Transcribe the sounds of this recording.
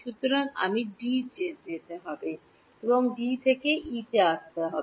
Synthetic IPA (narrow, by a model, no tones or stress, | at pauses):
ʃut̪oɾaŋa̰miɖid͡ʑet̪et̪eɦɔbe | eboŋɖit̪ʰekeʔiʈeaʃt̪eɦɔe